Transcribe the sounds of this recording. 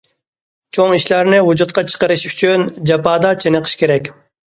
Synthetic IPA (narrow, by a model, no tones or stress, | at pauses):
t͡ʃʰoŋiʃlæɾnɪwud͡ʒut̪̚qɑt͡ʃʰə̥qəɾɨʃyt͡ʃʰynd͡ʒɑpɑːd̪ɑt͡ʃʰenəqʰə̥ʃkʲʰeɾɛkʲ